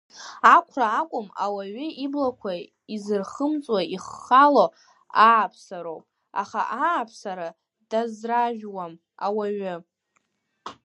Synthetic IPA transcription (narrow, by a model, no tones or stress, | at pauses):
akʷʰraːkʷʼʊma̰waɥʏiblakʷʰa | izɨrχəmt͡sʼwaiχalo | aapʰsaɾowpʼ | a̰χa̰ʔaːpʰsaɾa | d̥azraʒᶣwam | awaɥʏ